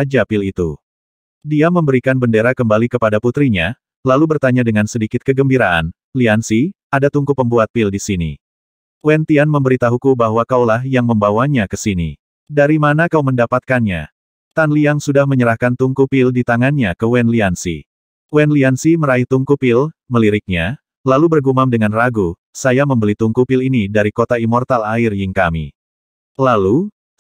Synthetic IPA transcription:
ad͡ʒapilit̪ṵ | diaməmbəɾikanbəndeɾakəmbalikəpadaput̪ɾiɲa | lalubərt̪aɲadəŋansədikɪt̪̚kəɡəmbiɾaʔa̰n | liansi | adat̪uŋkupəmbuat̪̚pɪldisinḭ | wɛnt̪ianməmbəɾit̪aɦukubaɦwakaulahjaŋməmbawaɲakəsinḭ | daɾimanakauməndapat̪̚kanɲa̰ | t̪anliaŋsudahməɲəɾahkant̪uŋkupɪldit̪aŋanɲakəwɛnliansḭ | wɛnliansiməɾait̪uŋkupɪlməliɾɪk̚ɲa | lalubərɡumamdəŋanraɡu | sajaməmbəlit̪uŋkupɪlinidaɾikot̪aimɔrt̪alaɪrjɪŋkamḭ | lalu

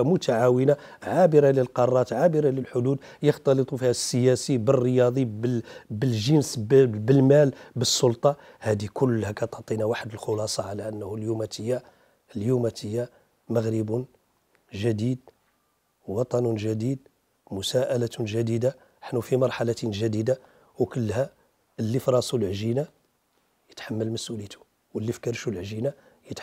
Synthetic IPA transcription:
mʊt̪ʰaʕawəna | ʕabəɾɑləlqɑrˤːɑt̪ʕabəɾɑləlħʊd̪ud̪ | jəxt̪ɑlət̪ˤufihæsːəjæsibərːəjɑd̪ˤibbəlʒənsbəlmælbəsːʊlt̪ˤɑ | hæd̪ikʊlːhækæt̪oʕt̪ˤinawaħəd̪əlxʊlɑsˤɑʕalæʔənːhʊljumæt̪əjːa | ljumæt̪əjːa | məɣɾəbun | ʒəd̪id̪̚ | wɑt̪ˤɑnʊnʒæd̪id̪̚ | mʊsæʔælæt̪unʒæd̪id̪a | əħnufimɑɾˤħalat̪ənʒæd̪id̪a | wkəlːhæ | əlːifɾˤɑsulʕʒina | jə̥t̪ħamːəlməsʔulit̪ʰu̥ | wəlːifkəɾʃulʕʒina | jət̪

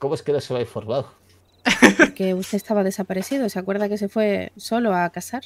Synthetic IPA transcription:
komoeskenoseβajfoɾβaw | ke̞ust̪est̪aβaðe̞sapaɾeθiðoseakwe̞ɾð̞ake̞se̞fwe̞so̞loakasaɾ

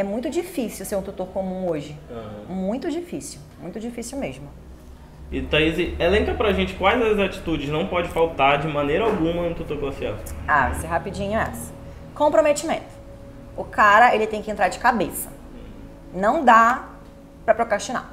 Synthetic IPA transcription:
ɛmũj̃t̪ʊd͡ʒifisiwseɾũt̪ut̪oɾkomũoʒɪɐmũj̃t̪ʊd͡ʒifisiwmũj̃t̪ʊd͡ʒifisiwmeʒmʊ | ɪt̪aizielẽkɐpɾɐʒẽnt͡ʃɪ̥kwajzɐzat͡ʃi̥t̪ud͡ʒɪʃnɐ̃w̃pɔd͡ʒɪfawt̪aɾd͡ʒɪmɐ̃nejɾɐawɡũmɐũt̪ut̪oɾkafia̰d̪ʊavseɦapid͡ʒĩɲʊɛ̰sɐ̥ | kõpɾomet͡ʃimḛ̃nt̪ʊ̥ | ʊkaɾɐelɪt̪ẽj̃kɪẽnt̪ɾaɾd͡ʒɪkabesɐ̥ | nɐ̃w̃d̪a | pɾɐpɾokɾaʃt͡ʃina̰

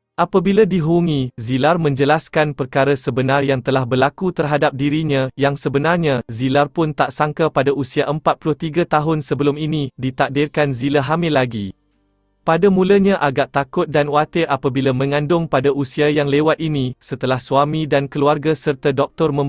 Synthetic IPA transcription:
ʔapabiladiɦuŋĩzilarmə̃ɲd͡ʒəlaskanpərkaɾasəbənarjaŋt̪əlahbərlakut̪ərɦadap̚diɾiɲãjaŋsəbənarɲãzilarpʊnt̪aʔsaŋkapadaʔusiaʔəmpat̪̚pulʊht̪iɡat̪aɦʊnsəbəlʊminidit̪ak̚dɪrkanzilaɦamɪlːaɡi | padamũləɲãʔaɡaʔt̪akʊt̪̚danwat̪ɪrʔapabilamə̃ŋãndʊŋpadaʔusiajaŋlewat̪̚inisət̪əlahsuamidankəluarɡasərt̪adɔk̚t̪ɔrmə̃m

